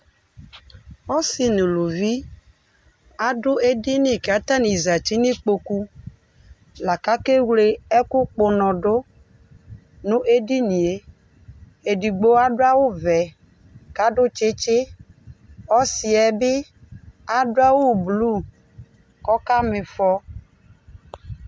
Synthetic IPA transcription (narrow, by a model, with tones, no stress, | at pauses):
ɔ˦sɪ˨nʊ˨lʊ˨vi˦ | a˨dʊ˦e˦di˦nɪ˨ka˨ta˦ni˨za˨t͡ʃi˦nɪ˦k͡po˨ku˦ | la˨ka˦ke˦wle˦ɛ˦kʊ˦k͡pʊ˨nɔ˨dʊ˦ | nʊ̃˦ʔe˦di˦ni˨e˦ | e˨di˨ɡ͡bo˦a˦dʊ˦a˦wʊ˦vɛ˨ | ka˦dʊ˦t͡ʃɪ˦t͡ʃɪ˦ | ɔ˦sɪ˨ɛ˨bɪ˦ | a˨dʊ˦a˦wʊ˦˨blu˦˨ | kɔ˦ka˦mɪ˨fɔ˦